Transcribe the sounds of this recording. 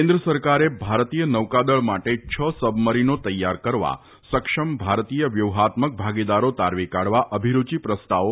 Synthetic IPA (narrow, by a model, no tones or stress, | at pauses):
ẽnd̪ɾəsəɾkaɾebʱaɾt̪ijənəʋkad̪əɭmaʈet͡ʃʰəsəbməɾinot̪əjːaɾkəɾʋa̰ | səkʂəmbʱaɾt̪ijəʋjəʋɦat̪mək̚bʱaɡid̪aɾot̪aɾʋikaɽʋaʔəbʱiɾut͡ʃipɾəst̪ao